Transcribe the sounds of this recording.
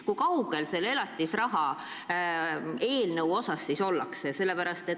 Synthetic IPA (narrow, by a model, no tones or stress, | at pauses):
kukɑwɡ̥e̞lse̞le̞lɑt̪ʲˑːisrɑɦɑ | e̞ːlnəwo̞sɑsːiso̞lːɑ̰ksese̞lːepæɾɑst̪e̞t̪